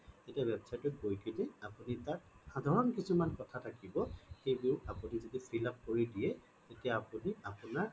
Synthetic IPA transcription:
etiabɛbsajtɔɡojkezɛapunitat̚xadʱaɹɔnkisumankɔtʰatʰakibɔxejbiʊapunizedipʰilap̚koɹidijɛ | tetijaːpuniapunaɹ

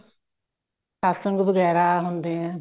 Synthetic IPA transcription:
aːsəŋɡbəɡɛːɾaːɦʊnd̪eːɦɛ̃ː

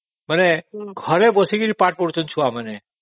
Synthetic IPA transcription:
məneɡʱəɾebəsiɡiɾipaʈ̚pɔɽt͡ʃənt͡ʃʰũaməne

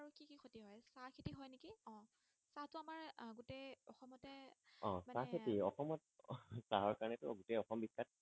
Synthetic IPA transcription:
aɹukikixʰotiɦɔjsakʰetiɦɔjnekiɔ̃ | satʊamaɹɡutejɔxɔmɔtɛ | ɔ̃maakʰetiɔxɔmɔtsaɦɔɹkaɹɔnɛtʊɡutejɔxɔmbisat̚

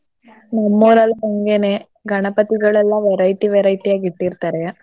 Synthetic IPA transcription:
nɐmːoːɾɐlɐɔŋɡeːneː | ɡɐɳɐpɐt̪iɡɐɭɛlːãːʋɛɾɐjʈ̪ːiʋɛɾɐjʈ̪ːijaːɡɪʈːiɾt̪aːɾe

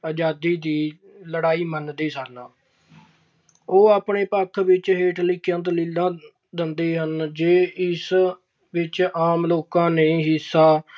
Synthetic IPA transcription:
əd͡ʒaːd̪iːd̪iː | ləɽaːiːmənd̪iːsənaː | oːaːpɳeːpəkʰʋɪt͡ʃɦeːʈʰlɪkjə̃nt̪liːlãː | d̪ɪnd̪eːɦənd͡ʒeːɪs | ʋɪt͡ʃaːmloːkãːneːɦɪsaː

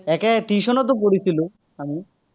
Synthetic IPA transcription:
ɛket̪iʃɔnɔt̪̬up̬oɽisʰilu | ami

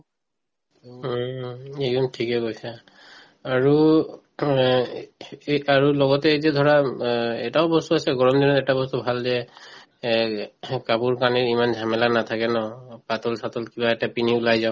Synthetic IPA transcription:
ekɔntʰikɛkojsaː | ɹu | aɹulɔɡɔtɛzɛd̪ʱɔɹaɛtaʊbɔst̪uasɛɡɔɹɔmdinɔtɛtabɔst̪ubʱalzɛ | kapuɹkaniɹimanzʱamɛlanat̪ʰakɛnɔpatɔlsatɔlkibaɛtapiniulajzaʊ̃

